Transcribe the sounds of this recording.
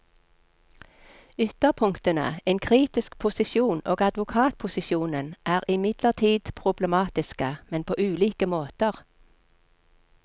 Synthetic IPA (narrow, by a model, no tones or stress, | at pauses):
ʏt̪əʁpʰʊŋkt̪ənə̰eːnkʰʁiːt̪ɪsk̚pʰʊsɪʃjuːno̰ːɡɑd̪ʋʊkʰɑːt̪̚pʰʊsɪʃuːnənʔæːʁɪmɪd̪ləʁt̪ʰiːd̪pʰʁʊbləmɑːt̪ɪskəmɛnpʰoːʔʉːliːkəmoːt̪əʁ